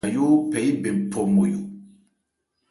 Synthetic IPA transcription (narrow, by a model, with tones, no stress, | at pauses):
jo˦pɛ˨i˦bẽ˨pʰɔ˨mo˨jo˨